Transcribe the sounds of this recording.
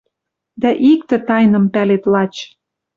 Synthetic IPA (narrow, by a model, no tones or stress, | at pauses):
d̪æʔikt̪ĕt̪ɑjnɤ̆mpælet̪lɑt͡ɕ